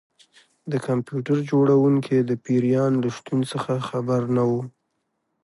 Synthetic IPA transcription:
d̪əkampjuʈaɾd͡ʒoɽawuŋkʰed̪əpiɾjɑnləʃt̪unsəxaxabaɾnawu

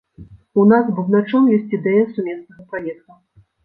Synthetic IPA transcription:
unasbɨwnat͡ʂɔmjɔsʲt͡sʲid̪ɛjɐsumʲɛsnɐɣɐpamʲɛt̪̚kɐ

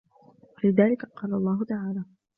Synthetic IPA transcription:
walɪðaːlɪkaqɑːlalˤːɑːɦʊt̪aʕaːlaː

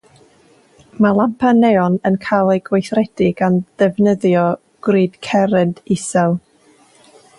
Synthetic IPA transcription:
malˠampʰanɛɔnənkʰalˠeɡwejθrɛd̥ɪɡ̥and̥ɛvnəðjɔ | ɡ̥riːd̥kʰɛɾɛnd̥ɪsɛlˠ

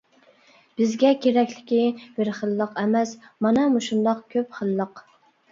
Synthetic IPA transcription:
b̥ɪzɡʲɛkʲʰeɾɛkʲlɪkʲib̥ɪɾχəlˠːəqɛmɛsmɑnɛmuʃund̪ɑq̚kʲʰøpχəlˠːəq

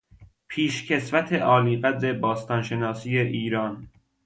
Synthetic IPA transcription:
pʰiːʃcʰe̞svæt̪ʰeʔɒːliːɢæd̪ɾe̞bɒːst̪ɒnʃe̞nɒːsiːeʔiːɾɒːn

